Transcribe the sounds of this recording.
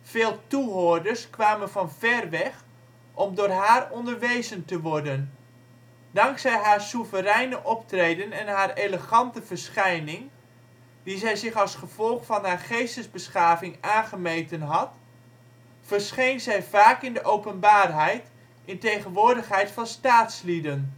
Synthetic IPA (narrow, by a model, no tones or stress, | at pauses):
v̥eːlˠtuɦoəɹdərskʋaːmənvɑnvɛrʋɛχ | ʔɔmdʊːrɦaːrɔndəɹʋejzəntəʋɔɹdən | dɑŋksɛjɦaːɹsuvərɛjnəʔɔptrejdənɛnɦaːreləχɑntəv̥əɹsχɛjnɪŋ | dizɛjzɪχɑlˠsχəv̥ɔlˠχfɑnɦaːɹχejstəzbəsχaːvɪŋaːnχəmejtənɦɑt | fəɹsχejnzɛjvaːkɪndəʔowpənbaːrɦɛjt | ʔɪntejχənʋʊːɹdəχɦɛjtfɑnstaːtslidən